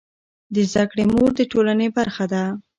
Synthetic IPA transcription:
d̪əzd̪akɽemoɾd̪əʈolanebaɾxad̪a

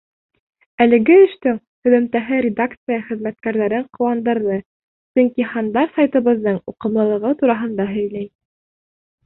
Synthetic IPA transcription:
ælɘ̆ɡɘɘ̆ʃt̪ɘŋ | hɵ̆ðɵ̆mt̪æɦɘɾʲɪd̪akt̪sɨjɑχɘ̆ðmæt̪kæɾðæɾɘɴqŏwɑnd̪ɤ̆ɾðɤ | sɵŋkiχɑnd̪ɑɾsɑjt̪ɤ̆βɤ̆ðːɤɴuqɤ̆mlˠɤ̆lˠɤ̆ʁɤt̪uɾɑɦɤ̆nd̪ɑɦɵ̆jlæj

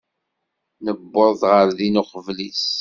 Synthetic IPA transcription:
nəbːoðˤʁəɾðinuqəvlis

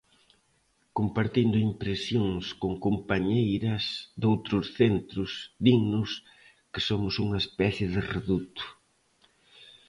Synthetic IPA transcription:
kompaɾt̪ind̪ʊimpɾesjoŋskoŋkompaɲejɾɐsd̪owt̪ɾʊsθent̪ɾʊsðiɣnʊs | kɪsomʊsuŋɐespɛθjɪðɪreðut̪ʊ̥

